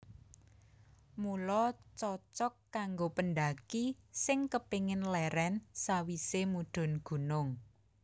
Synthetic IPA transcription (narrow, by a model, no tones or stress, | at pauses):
mulɔt͡ʃɔt͡ʃɔkːaŋɡopənd̪akisɪŋkəpiŋɪnlɛɾɛnsawisemuɖ̥ʊ̤nɡ̥ṳnʊŋ